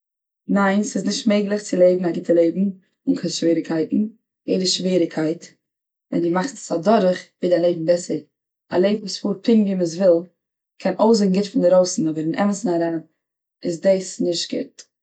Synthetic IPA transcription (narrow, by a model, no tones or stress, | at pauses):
naɪnsɪsnɪʃtmeɪɡlˠɪχt͡sɪlˠeɪbn̩aɡɪtəlˠeɪbm̩ | ʊnkʰɛʃviːɾɪkʰaɪtn̩ | jeɪdəʃviːɾɪkʰaɪt | vɛ̰ndɪmaχsadɔɾəχvɪdalˠeɪbm̩bɛsəɾ | a̰lˠeɪbm̩vuːsfuːɾpʰɪŋviməs̬vɪlˠ | kʰɛnʔoʊs̬ɪɡŋ̩ɡɪtfɪndɪɾoʊsn̩ɔbəɾɪnʔɛ̰məsn̩aɾɛnə | ɪsdesnɪʃt̚ɡ̥ɪ̰t